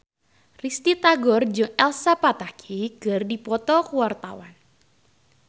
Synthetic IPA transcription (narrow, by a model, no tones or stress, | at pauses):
rist̪it̪aɡɔrd͡ʒɨŋɛlsapat̪akʰiɡ̥ərdipɔt̪ɔkuwart̪a̰wan